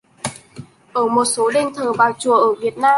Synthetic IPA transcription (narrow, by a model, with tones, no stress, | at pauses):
ʔəː˧˩mo˨˩t̚so˨˦ɗe˧nt̪ʰəː˨˩vaː˨˩wt͡ɕu˨˩əʔəː˧˩vi˨˩ət̚naː˧